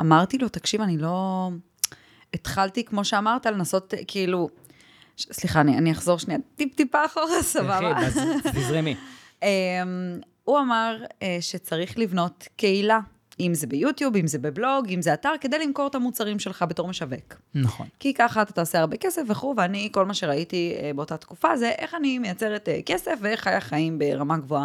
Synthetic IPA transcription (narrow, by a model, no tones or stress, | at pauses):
amaʁt̪ilo̞t̪akʃivanilo̞ | et̪χalt̪ikmo̞ʃeamaʁt̪ale̞naso̞tkʰiilu | sliχaːnianiaχzo̞ʁʃniatipt̪ipaχoʁsabaaizʁemi | em | uamaʁeʃet͡saʁiχlivno̞tkeila | imzebejutjubimzebeblo̞ɡimzeataʁke̞d̪ejlimko̞ʁt̪amut͡saʁimʃe̞lχabe̞to̞ʁmeʃaveknaχo̰nkikaχatataoseaʁbe̞ke̞sefveχuveaniko̞lmaʃeʁaitiebeo̞tat̪kufazeʔe̞χanimejat͡seʁeteke̞sefveeχajaχaimbe̞ʁamaɡvoa